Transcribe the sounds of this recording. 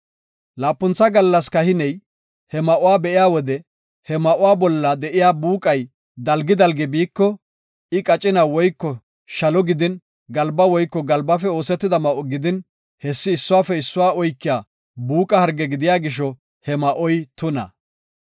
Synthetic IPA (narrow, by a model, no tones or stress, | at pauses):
laːpːʊnt͡sːɐɡɐlːɐskɐhɪnɛj | hɛmɐʔʊwaːbɛʔɪjaːwɔd̪ɛ | hɛmɐʔʊwaːbɔlːɐd̪ɛʔɪjaːbuːkʼɐj | d̪ɐlɡɪd̪ɐlɡɛbiːkːɔ | ɪkʼɐt͡ʃʼɪnawɔjkːɔ | ʃɐlɔɡɪd̪ɪn | ɡɐlbɐwɔjkːɔɡɐlbɐfɛo̞ːsɛt̪ːɪd̪ɐmɐʔɔɡɪd̪ɪn | hɛsːɪːsːʊwaːfɛɪsːʊwaːɔjkːɪjaː | buːkʼɐhɐɾɡɛɡɪd̪ɪjaːɡɪʃ̬ɔ | hɛmɐʔɔjt̪ʊnɐ̰